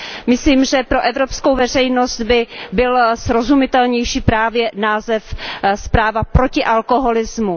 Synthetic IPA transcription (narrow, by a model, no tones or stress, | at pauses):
mɪsliːmʒɛpɾo̞ʔɛvɾo̞pskowvɛr̝ɛjno̞st̪bɪbɪlsɾo̞zumɪt̪ɛlɲɛjʃiːpɾaːvjɛnaːzɛfspɾaːvapɾo̞cɪʔalkoɦo̞lɪzmu